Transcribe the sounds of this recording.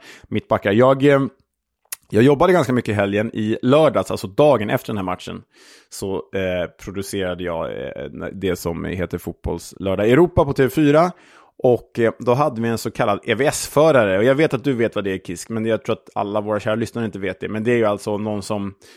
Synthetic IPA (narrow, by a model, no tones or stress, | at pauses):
mɪt̪̚ːbakːajɑːɡ | jɑːɡjɔbːad̪əɡanskamʏkːəɪɦɛljənɪlœːɖɑːsa̰lsɔd̪ɑːɡənʔɛ̰ft̪əɖɛnhæɾma̰t̪ʂə̰n | sɔpʰɾʊd̪ɵseːɾad̪əjɑ̰ː | d̪ɛsɔmɦeːt̪əɾfuːt̪̚bɔ̰lslœːɖaɛɾuːpapɔt̪ʰeːvɛfyːɾa | ʔɔkːd̪ɔɦad̪ːəvɪɛnsɔkʰalːad̪ɛvɛɛsfœːɾaɾəɔjɑːɡveːt̪at̪̚d̪ɵveːt̪vad̪ɛæɾkʰɪskmɛnjaɡt̪ʰɾuːat̪a̰lːavoːɾaɕæːɾalʏsnaɾəɪnt̪əveːt̪̚d̪ɛmɛnd̪ɛæɾjɵalt̪sɔnɔnːsɔm